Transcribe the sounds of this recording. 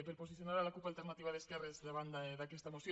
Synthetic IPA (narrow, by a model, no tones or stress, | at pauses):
peɾposiθjonaɾalakupalt̪eɾnat̪iβaðeskɛrezðeβ̞and̪aðakest̪amosj